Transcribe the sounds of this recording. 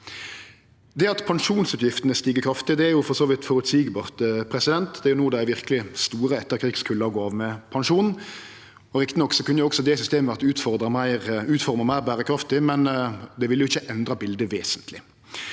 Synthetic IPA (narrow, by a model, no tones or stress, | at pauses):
d̪ɛɑt̪pʰɑŋʂuːnsʉːt̪jɪft̪ənəst̪iːɡəkʰɾɑft̪ɪd̪ɛæɾjʊfɔʁsoːʋɪt̪fɔɾʉt̪siːɡbɑːʁt̪pʰɾɛsɪd̪ɛnt̪d̪ɛæɾjʊnuːəd̪ɛææɾʋɪʁkəlɪst̪uːɾəɛt̪ːəɾkʰɾiːɡskʰʉlːəɔɡoːɑːʋmɛpʰɑnʂuːnn̩ | ɔɾɪkt̪ɪnɔkːsɔkʉnːəjʊɔksɔd̪ɛsʏst̪eːməɑt̪ʉːt̪fɔʁd̪ɾɑmæɪʁʉːt̪fɔʁməmæɪʁbæːʁəkʰɾɑft̪ɪmɛnd̪ɛʋɪlːjʊɪçːəʔɛnd̪ɾɑbɪld̪əʋeːsənt̪ʰlɪ